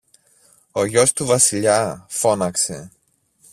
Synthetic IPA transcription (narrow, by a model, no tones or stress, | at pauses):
o̞ʝo̞st̪uvɐsiʎɐfo̞nɐkse̞̰